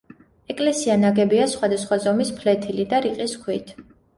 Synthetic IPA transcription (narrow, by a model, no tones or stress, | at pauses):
ɛkʼlɛsianaɡɛbiasχwad̪asχwazɔmispʰlɛt̪ʰilid̪aɾiqʼiskʰwit̪ʰ